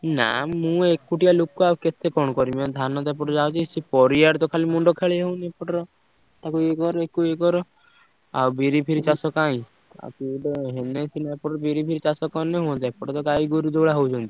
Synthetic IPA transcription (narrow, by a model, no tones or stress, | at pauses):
na̰mũekːuʈijalokkuawket̪ekɔnkɔɾimɔd̪ʱanɔt̪ap̬ɔʈɔd͡ʒawt͡ʃisipɔɾijaɾt̪ɔkʰalimuɳɖɔkʰeɭɦeũnepɔʈɔɾɔ | t̪akuekɔɾɔekuekɔɾɔ | a̰wbiɾipʰiɾit͡ʃasɔkaĩ | a̰kuɖɔɦenesinaepɔʈɾɔbiɾipʰiɾit͡ʃasɔkɔneɦuɔ̃nt̪aepɔʈɔt̪ɔkaiɡuɾud̪ɔɭaɦowd͡ʒʰɔnt̪i̥